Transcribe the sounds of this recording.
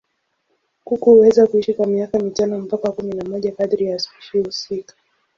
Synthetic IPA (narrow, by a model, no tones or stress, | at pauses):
kukuhuwɛzakuiʃikwamiakamitanɔm̩pakawakuminamɔʄakaθɾijaːsiʃihusikḁ